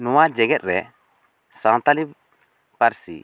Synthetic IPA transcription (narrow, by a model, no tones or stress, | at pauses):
nɔwad͡ʒɛɡɛt̪̚ɾɛ | sãwt̪ali | paɾsḭ